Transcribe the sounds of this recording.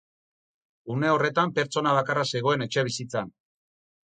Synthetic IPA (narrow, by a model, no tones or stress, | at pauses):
une̞o̞re̞t̪ampe̞ɾt͡so̞naβ̞akarase̞ɣo̞e̞ne̞t͡ʃe̞β̞isit͡san